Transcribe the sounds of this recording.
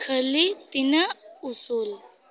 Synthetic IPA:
kʰəlit̪inəusuːl

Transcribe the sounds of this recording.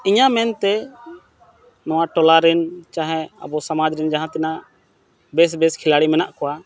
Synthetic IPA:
iɲamɛnt̪ɛ | nɔ̃waʈɔlaɾɛnt͡ʃaɦɛ̃a̰bɔsamad͡ʒɾɛnd͡ʒaɦãt̪ɛna | bɛs̬bɛskʰilaɽimɛnaʔkɔwa

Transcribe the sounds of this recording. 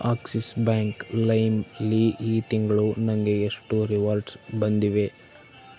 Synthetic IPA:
aːksisbaːŋklɐjmliʔiːt̪iŋɡɐɭunɐŋɡe̞ːʂʈuɾiʋaːɾɖsbɐnd̪iʋe̞

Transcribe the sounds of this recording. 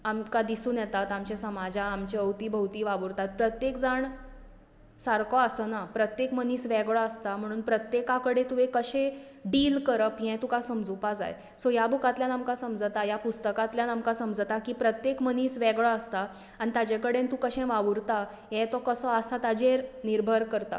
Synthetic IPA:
amkad̪isũːnjɛt̪at̪amt͡ɕesəmad͡ʑaːmt͡ɕeəwt̪iːbʱəwt̪iːʋaʋuɾt̪at̪̚pɾət̪jekd͡zaɳ | saɾkɔəsənapɾət̪jekməniːsʋɛɡɭaəst̪am̤əɽ̃uːnpɾət̪jekakəɽet̪uʋekəɕẽ | ɖiːlkəɾəpjɛ̃t̪ukasəmd͡zupad͡za̰j | sɔjabukat̪ljanamkasəmd͡zt̪ajapust̪əkat̪ljanamkasəmd͡zət̪akiːpɾət̪jekməniːsʋɛɡɭaəst̪a | añit̪ad͡ʑeɛkəɽent̪ũkəɕɛ̃ʋaʋuɾt̪a | ɦɛ̃t̪ɔkəsəəsat̪ad͡ʑeɾniɾbʱəɾkəɾt̪a̰

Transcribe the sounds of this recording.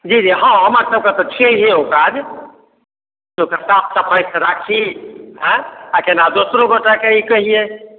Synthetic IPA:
d͡ʒid͡ʒiɦɔ̃ɦəmaɾsəb̚ket̪ɔt͡ʃʰed͡ʒeokad͡ʒ | d͡ʒokasap̚ʰsəpʰəjseɾakʰiɦɛ̃akenad̪osɾoɡoʈakeikəɦije

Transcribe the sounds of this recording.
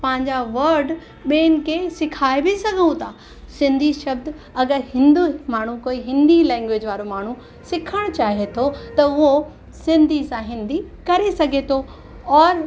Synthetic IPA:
pɐ̃ɦɪ̃ɲd͡ʑaʋɐɾɖ | ɓeːnɪ̆kʰesɪkʰaːebɪsɐɡʱə̃t̪ʰaː | sɪ̃nd̪ʱiʃɐb̚d̪ | ɐɡəɾɦɪ̃nd̪umaːɳ̤ukoːiɦɪ̃nd̪ilɛ̃ːŋɡʋed͡ʑʋaːɾomaːɳ̤u | sɪkʰəɽ̃t͡ɕaːɦet̪ʰot̪ɐʊɦo | sɪ̃nd̪ʱisãɦɪ̃nd̪ikɐɾesɐɡʱet̪ʰo | ɔːɾ

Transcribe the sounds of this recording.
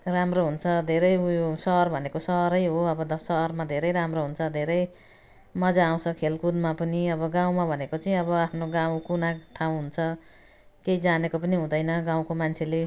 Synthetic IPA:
ramroɦunt͡sʰʌd̪ʱeɾʌjjosʌɦʌrbʱʌnekosʌɦʌɾʌjɦoʌbʌd̪ʌsʌɦʌrmad̪ʱeɾʌjɾamroɦunt͡sʰʌd̪ʱeɾʌj | mʌd͡zaːw̃t͡sʰʌkʰelkud̪mapʌniʌbʌɡãw̃mabʱʌnekot͡sʌĩʌbʌapʰnoɡaw̃kunaʈʰaw̃ɦunt͡sʰʌ | kejd͡zanekopʌniɦũd̪ʌjnʌɡaw̃komant͡sʰele

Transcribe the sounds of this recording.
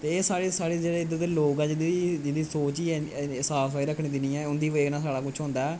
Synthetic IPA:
t̪eːeːsaːɽeːsaːɽiːd͡ʒeːɽeːɪd̪ːət̪loːkɛːd͡ʒɪiːd͡ʒɪd̪iːsoːt͡ʃiːɛsaːsaːiːɾəkʰɽ̃iːd̪ɪnĩːɛːʊnd̪iːʋəːnãːsaːɽaːkʊt͡ʃʰɦʊ̃ːnd̪aːɛː

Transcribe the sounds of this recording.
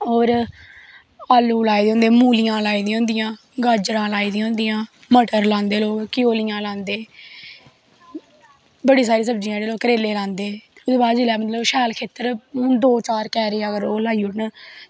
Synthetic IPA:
oːɾ | aːluːlaːiːd̪eːoːnd̪eːmuːlɪjãːlaːiːd̪ĩɦõːnd̪ɪjãː | ɡəd͡ʒɾãːlaːiːd̪ĩõːnd̪ijãː | məʈəɾlãːnd̪eːloːɡkɪjoːlɪjãːlãːnd̪eː | bəɽiːs̬aːɾiːsəbd͡ʒijãːɾeːloːɡkəɾeːleːlãːnd̪eːʊd̪eːbaːd̪d͡ʒɪlɛːmət̪ləbʃɛːlkʰeːt̪əɾʊnd̪oːt͡ʃaːɾkɛːɾeːəɡəɾoːlaːiʊɽɳ

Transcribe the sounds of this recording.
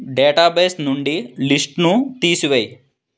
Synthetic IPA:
ɖeːʈaːbeːsnuɳɖilisʈnut̪iːsuʋej

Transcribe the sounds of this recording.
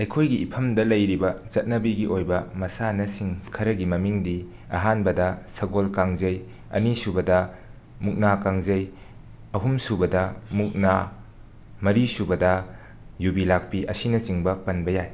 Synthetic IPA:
ɐjkʰojɡiːpʰɐmdɐlɐjɾibɐt͡ʃɐt̚nɐbiɡiʔojbɐmɐsanɐsiŋkʰɐɾɐɡimɐmiŋdi | ɐ̰ɦanbɐdɐsɐɡolkaŋzɐj | ɐ̰nisubɐdɐ | muk̚nakaŋzɐj | ɐɦumsubɐdɐmuk̚na | mɐɾisubɐdɐ | jubilak̚piʔɐsinɐt͡ʃiŋbɐpɐnbɐjaj

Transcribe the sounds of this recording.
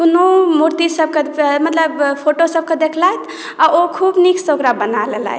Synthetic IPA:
kunomuɾt̪isəb̚ʱkemət̪ləbpʰoʈosəb̚ked̪ekʰlaet̪ʰ | aokʰubnikʰsoɡɾabənalela̰ɦ

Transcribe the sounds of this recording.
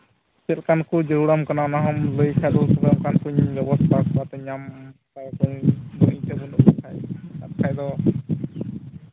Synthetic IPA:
sɛlkankud͡ʒəɾuɽamkananaɦɔmləjkʰajd̪ɔsɔbʰjɔmkankuɲbɛbɔst̪ʰakɔat̪ɔɲamsaɾkɔɲmujtɛbunukʰaja̰t̪̚kʰajd̪ɔ

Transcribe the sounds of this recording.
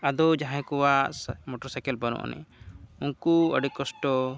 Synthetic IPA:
ad̪ɔd͡ʒaɦãkɔwaʔmɔʈɔɾsajkɛlbanɔ̰ʔnɛ̰unkuə̰ɖikkːɔsʈɔ

